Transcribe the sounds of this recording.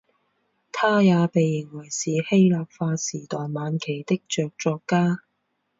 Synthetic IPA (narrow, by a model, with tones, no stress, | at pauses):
t̪ʰaː˥jaː˨˧pe˨jːɪ˨˩ŋwɐ˨˩jsiː˨he˥jlaː˨p̚faː˧siː˨˩t̪ɔː˨jmaː˨˧nkʰe˨˩jt̪ɪ˥k̚t͡ʃœː˨k̚t͡ʃɔː˧kːaː˥